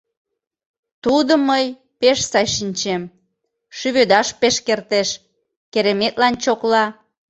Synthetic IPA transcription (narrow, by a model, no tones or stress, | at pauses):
t̪ud̪əməj | peʃsɑjʃinʲt͡ɕem | ʃyβød̪ɑʃpeʃkert̪eʃ | keɾemet̪lɑnt͡ɕoklɑ